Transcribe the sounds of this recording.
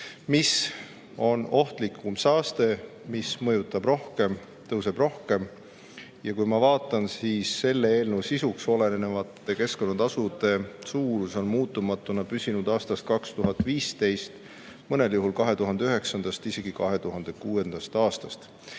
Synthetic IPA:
mis | o̞no̞ht̪likʰːumsɑːst̪e̞mismɤjut̪ːˑɑb̥ro̞hke̞m | t̪ɤwse̞b̥ro̞hke̞m | jɑkujmɑvɑːt̪ːˑɑnsiːsːe̞lːeeːlnuwsisukso̞le̞nnevɑt̪ːˑe̞ke̞sko̞nːɑt̪ɑsud̪e̞suːɾuso̞nmuːt̪ːˑumɑt̪ːˑunɑpysinud̪̥ɑːst̪ɑst̪̚kɑkst̪uɦɑt̪ˑviːst̪e̞jst̪ | mɤne̞ljuɦulkɑɦe̞t̪uɦɑnd̪e̞yɦe̞ksɑnd̪̥ɑst̪ise̞ɡ̥ikɑɦe̞t̪uɦɑnd̪̥e̞kuːe̞nd̪̥ɑst̪ɑːst̪ɑst̪

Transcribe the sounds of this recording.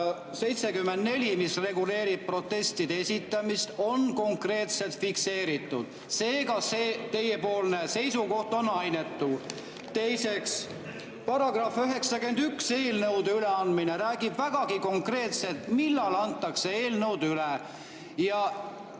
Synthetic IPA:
se̞jt̪sekymːend̪ne̞lʲimisre̞ɡule̞ːɾib̥̚pro̞t̪ːˑe̞st̪id̪esʲit̪ːˑɑmist̪o̞nko̞ŋkre̞ːt̪se̞lt̪fikse̞ːɾit̪ːˑud̪̥ | se̞ːɡɑseːt̪e̞jepo̞ːlnese̞jsuko̞ht̪o̞nɑjne̞t̪ːu | t̪e̞jse̞ks | pɑɾɑɡ̥rɑføɦe̞ksɑkend̪ykse̞ːlnɤwd̪eyleɑnd̪mineɾæːɡ̥ib̥væɡ̥ɑɡ̥iko̞ŋkre̞ːt̪se̞lt̪milːɑlɑnt̪ːɑksee̞ːlnɤwd̪̥yle | jɑ

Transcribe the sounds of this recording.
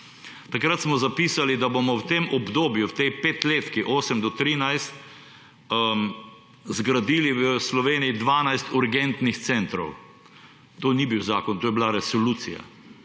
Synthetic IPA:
t̪akɾat̪smɔzapiːsalid̪abomɔwt̪emʔɔbd̪oːbjuwt̪ɛjpeːt̪leːt̪kiʔoːsəmd̪ɔt̪ɾiːnajst̪ | zɡɾad̪iliwəslɔʋeːnijid̪ʋaːnajst̪uɾɡɛnt̪nixt̪sɛnt̪ɾɔ̰w | t̪oːnibiwzaːkɔnt̪oːjblaɾɛsɔluːt̪sija̰

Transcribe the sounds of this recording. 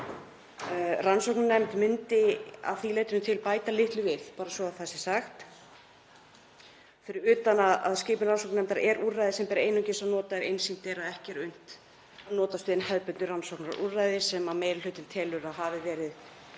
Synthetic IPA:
ransɔwknnɛmt̪mʏnt̪ɪa̰ðθileːjt̪ʏnʏt̪ʰɪlpaːjt̪alɪht̪lʏvɪðpaːɾasvɔaθɛsːɪsaxt̪ | fɪɾɪɾʏːt̪anaða̰ðscɪːpnʏransowknɛmt̪aɾɛɾuɾrajðɪsɛmpɛːɾaejnʏcɪsanɔːt̪aɛɾejnsin̥t̪ɛːɾaðɛhcɛɾʏn̥t̪ | anɔːt̪ast̪ʏːðɪnhɛðpʏnʏransɔwknaɾṵrajðɪsɛmaðmejɾlʏːt̪ɪnt̪ʰɛːlʏɾaðɦavɪvɛːɾɪð

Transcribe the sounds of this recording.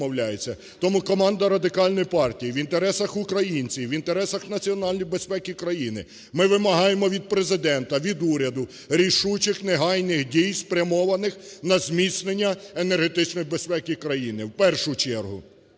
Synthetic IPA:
ɔwlʲajet͡sʲːɐ | t̪ɔmukɔmɑnd̪ɐɾɐd̪ɪkɑlʲnɔjipɑrtʲijiʋint̪eɾɛsɐxʊkɾɐjinʲt͡sʲiʋint̪eɾɛsɐxnɐt͡sʲiɔnɑlʲnʲɔjbe̞spɛkʲikɾɐjinɪ | mɪʋɪmɐɦɑjemɔʋʲid̪̚pɾezɪd̪ɛnt̪ɐʋʲid̪uɾʲɐd̪ʊ | ɾʲiʃut͡ʃɪxneɦɑjnɪxdʲijspɾʲɐmɔʋɐnɪxnɐzʲmʲisʲnenʲːɐenerɦet̪ɪt͡ʃnɔjibespɛkʲikɾɐjinɪwpɛrʃʊt͡ʃɛrɦʊ̰

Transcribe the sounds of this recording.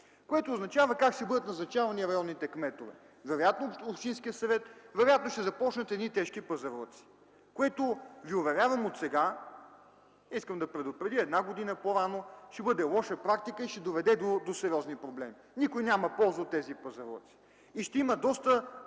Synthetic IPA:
koɛt̪oːznɐt͡ʃavɐkakʃt̪ɛbɤd̪ət̪nɐznɐt͡ʃavɐniɾɐjɔnːit̪ɛkmɛt̪ovɛ̰ | vɛɾojat̪noopʃt̪inskijəsɐvɛt̪vɛɾojat̪noʃt̪ɛzɐpɔt͡ʃnɐt̪ɛd̪nit̪ɛʃkipɐzɐɾɔ̰t̪si̥ | koɛt̪ʊviovɛɾʲjavɐmot̪sɛɡa | iskəmd̪ɐpɾɛd̪ʊpɾɛd̪iɛd̪naɡod̪inəpoɾanoʃt̪ɛbɤd̪ɛlˠɔʃəpɾak̚t̪ikəiʃɛd̪ovɛd̪ɛd̪od̪osɛɾiɔznipɾoblɛmi | nikojnʲamɐpɔlˠzɐot̪ːɛzipɐzɐɾɔ̰t̪si̥ | iʃt̪ɛiməd̪ɔst̪ə

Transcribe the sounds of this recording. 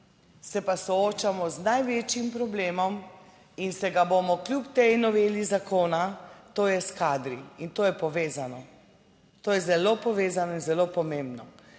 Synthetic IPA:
sɛpasɔoːt͡ʃamɔznajʋeːt͡ʃjimpɾɔbleːmɔm | insɛɡabomɔklʲjupt̪ejnɔʋeːlizakoːnat̪oːjɛskaːd̪ɾiint̪oːjɛpɔʋeːzanɔ | t̪oːjɛzɛloːpɔʋeːzanɔinzɛlopɔmembnɔ

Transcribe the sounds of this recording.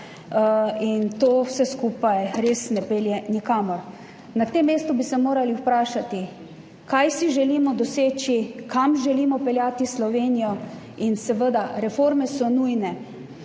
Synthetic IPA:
int̪oːwsɛskuːpajɾeːsnɛpeːljɛnikaːmɔɾ | nat̪emːeːst̪ʊbisɛmoːɾaliwpɾaːʃat̪i | kajsiʒɛliːmɔd̪ɔseːt͡ʃikamʒɛliːmɔpɛljaːt̪islɔʋeːnijɔ | insɛʋəd̪aɾɛfoɾmɛsɔnuːjnɛ

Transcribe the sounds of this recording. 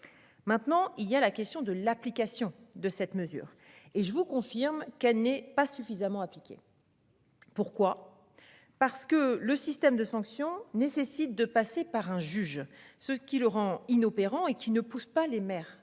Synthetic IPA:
mɛ̃t̪nɑ̃ilialakʲɛst̪jɔ̃d̪əlaplikasjɔ̃d̪əsɛt̪məzy̰ːʁ | eʒəvukɔ̃fiʁmkɛlnɛpasyfizamɑ̃aplikʲḛ | puʁkwa | paʁsə̥kələsist̪ɛmd̪əsɑ̃ksjɔ̃nesesit̪̚d̪əpasepaʁɛ̃ʒyʒsəkʲiləʁɑ̃inopeʁɑ̃ekʲʰinəpuspalemɛːʁ

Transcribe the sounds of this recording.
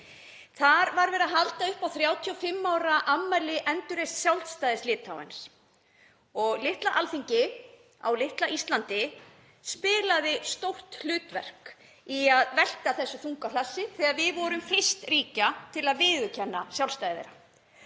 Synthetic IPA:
θaɾvaɾvɛːɾaɦalt̪aʏhpawθɾjaːwt̪ʰiɔfɪmːawɾaʔamːajlɪʔɛnt̪ʏɾejst̪sjawlst̪ajðɪslɪːt̪awɛ̰ns | ɔɣlɪht̪laʔalθiɲcɪ | a̰wlɪht̪laʔist̪lant̪ɪ | spɪːlaðɪst̪owr̥t̪l̥ʏːt̪vɛr̥k | iaðvɛl̥kaθɛsːʏθuŋkalasːɪθɛaðvɪðvɔɾʏmfɪst̪riːcat̪ʰɪlaðvɪːðʏcʰɛnːasjawlst̪aːjððḛɾa

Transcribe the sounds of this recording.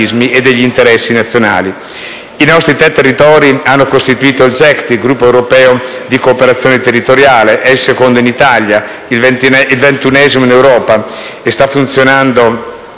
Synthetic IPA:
izmiʔed̪ːeʎːiːnt̪eɾɛsːinat̪sːjona̰ːli | inɔst̪ɾit̪ɾɛt̪ːerːit̪ɔːɾianːokost̪it̪uiːt̪oild͡ʒɛkt̪iɡɾupːoɛwɾopɛːod̪ikoːpeɾat̪sjoːnet̪erːit̪oɾjaːleʔɛilsekond̪oinit̪alja | ivilvent̪unɛzimoinewɾɔːpa | est̪afːunt̪sjonand̪o

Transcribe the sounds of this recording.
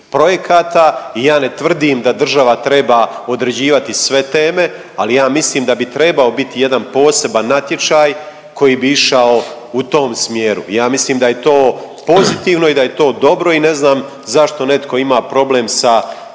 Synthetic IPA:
pɾo̞je̞kʰaːt̪aijaːne̞t̪ʋr̩d̪imd̪ad̪r̩ʒaʋat̪ɾe̞baːo̞d̪ɾe̞d͡ʑiːʋat̪isʋe̞t̪e̞ːme̞ | alijaːmisliːmd̪abit̪ɾe̞bao̞bit̪ije̞d̪anpo̞ːse̞banːat̪je̞t͡ʃaːj | ko̞jiːbiiʃao | ut̪o̞ːmsmjeːɾṵjaːmisliːmd̪aje̞t̪o̞ː | po̞zit̪iːʋno̞id̪aje̞t̪o̞ːd̪o̞bɾo̞ine̞znaːm | zaʃt̪o̞ne̞t̪koimaːpɾo̞ble̞ːmsa

